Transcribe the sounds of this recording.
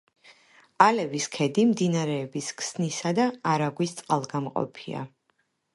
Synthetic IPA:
alɛviskʰɛd̪imd̪inaɾɛːbiskʰsnisad̪aːɾaɡwist̪sʼqʼalˠɡamqʼɔ̰pʰia̰

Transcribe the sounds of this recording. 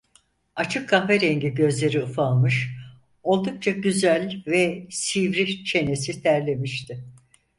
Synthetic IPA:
at͡ʃʰɯkʰːafeɾeɲɟiɟø̞zlʲe̞ɾiɯfalˠmɯʃ | o̞lˠd̪uk̚t͡ʃʰaɟyzælʲvɛsivɾit͡ʃʰe̞ne̞sit̪ʰæɾlʲe̞miʃt̪ʰɪ

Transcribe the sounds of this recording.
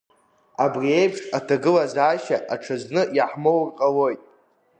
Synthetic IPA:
abriejpʰʂatʰaɡɨlazaːʃaʔaʈ͡ʂʰaznɨjaħmowrqʼalo̞jtʼ

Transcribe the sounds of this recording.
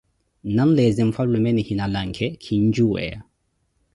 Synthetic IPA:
nanlɛzimfalumɛnihinalaŋkʰɛkʰiɲd͡ʒuwɛ̰a̰

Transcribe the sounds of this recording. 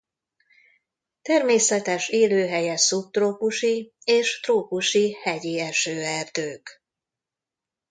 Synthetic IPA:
t̪ɛrmeːsɛt̪ɛʃeːløːɦɛjɛsup̚t̪roːkuʃieːʃt̪roːkuʃihɛɟiɛʃøːɛrd̪øːk

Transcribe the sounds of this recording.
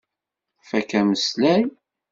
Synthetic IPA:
fækæməslæj

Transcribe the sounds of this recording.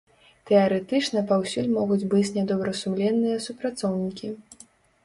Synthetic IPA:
t̪ɛaɾɛt̪ɨt͡ʂnɐpawsʲulʲmɔɣud͡zʲbɨt͡sʲnʲɛd̪ɔbɾɐsumlʲɛnːɨjɐsupɾat̪sɔwnʲikʲi

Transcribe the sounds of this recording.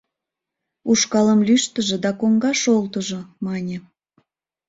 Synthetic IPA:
uʃkɑləmlʲyʃt̪əʒĕd̪ɑkoŋɡɑʃolt̪əʒomɑnʲe

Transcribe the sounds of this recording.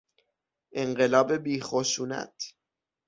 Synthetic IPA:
ʔe̞ɴɢe̞lɒːbe̞biːxoʃuːnæ̰t̪ʰ

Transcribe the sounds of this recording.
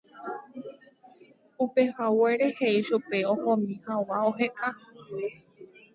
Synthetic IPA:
upehaweɾeheiʃupe̞õhõmĩhawaoɦeʔahwe

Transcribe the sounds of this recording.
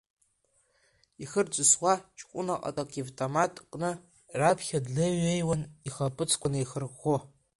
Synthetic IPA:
iχərd͡ʒʷʼɨswat͡ʃʼʰkʷʼʊ̰naqʼa̰tʼakʼivtʼomatʼqʼnɨ | rapʰχʲadlɨɥejwaniχapʼɨt͡sʰkʷʰanɨjχərχo

